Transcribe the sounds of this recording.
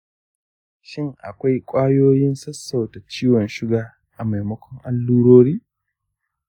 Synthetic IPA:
ʃɪ˦ŋʔa̰˨kʷa˦jkʷʼaː˦joː˦jɪ˦nsɐ˦sːa˨wta˨t͡ʃiː˦wɔ˨nʃɪ˦ɡaː˨ | ʔa˨ma˨jmɐ˦kʷʰɔ˦ŋʔa˦lːuː˦ɽoː˦ɽiː˦

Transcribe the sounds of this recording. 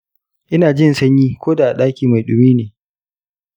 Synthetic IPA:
ʔɪ˦naː˨d͡ʒɪ˦nsɐ˦ɲjiː˦kʷoː˦da˨ʔa˨ɗaː˦kʲiː˨ma˨jɗʊ˨miː˦neː˨

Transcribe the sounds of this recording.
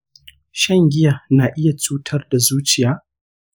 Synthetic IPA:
ʃɐ˦ŋɡʲɪ˦ja˨naː˨ʔɪ˦ja˨t͡ʃuː˦tʰɐ˦rda˨zuː˦t͡ʃɪ˨jaː˦

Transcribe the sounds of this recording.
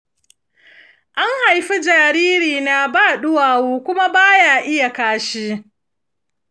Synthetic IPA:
ʔa˦ŋha˨jɸi˦d͡ʒaː˨ɾiː˦ɾiː˨na˨baː˦˨ɗʊ˦waː˨woː˦kʷʊ˦ma˦baː˦jaː˨ʔɪ˦ja˨kaː˦ʃi˦

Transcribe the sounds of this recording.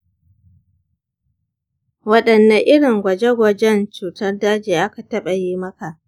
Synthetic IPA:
wɐ˦ɗɐ˨nːɐ˦ʔɪ˦ɽɪ˨ŋɡʷɐ˨d͡ʒe˦ɡʷɐ˨d͡ʒɛ˦nt͡ʃuː˨tɐ˦rdaː˦d͡ʒeː˨ʔa˦ka˨tɐ˦ɓɐ˨jiː˦mɐ˦ka˨ʔ

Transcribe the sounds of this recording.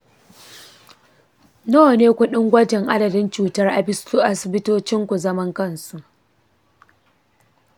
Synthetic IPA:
noː˦˨neː˦kʷʊ˦ɗɪ˦ŋɡʷɐ˦d͡ʒɪ˨ŋʔa˦dɐ˨dɪ˦nt͡ʃuː˨tɐ˦rʔa˨bɪ˦su˦ʔa˦sɪ˨bɪ˦toː˦t͡ʃɪ˦ŋkʷu˨zɐ˦mɐ˦ŋkɐ˦˨nsu˨ʔ

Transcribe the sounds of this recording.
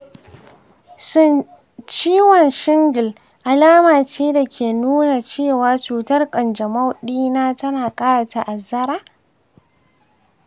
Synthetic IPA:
sʊ˦n | t͡ʃiː˦wɔ˨nʃɪ˦ŋɡɪ˨l | ʔa˨laː˦maː˨t͡ʃeː˦da˨kʲʰeː˨nuː˦na˨t͡ʃeː˦˨waː˦t͡ʃuː˨tɐ˦rkʼɐ˨nd͡ʒɐ˨ma˦wɗiː˦naː˦tɐ˦naː˨kʼaː˦ɽa˨ta˨ʔa˨zɐ˦ɾaː˦

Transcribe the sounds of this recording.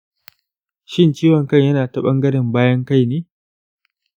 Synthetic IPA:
ʃɪ˦nt͡ʃiː˦wɔ˨ŋkɐ˦˨ɲjɐ˦naː˨tɐ˦ɓɐ˦ŋɡɐ˦ɽɪ˨mbaː˦jɐ˦ŋka˦˨jneː˦

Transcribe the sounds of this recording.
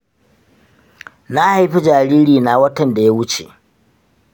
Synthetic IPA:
na˦ha˨jɸi˦d͡ʒaː˨ɾiː˦ɾiː˨na˨wɐ˦tɐ˨nda˨ja˦wʊ˦t͡ʃḛ˨ʔ

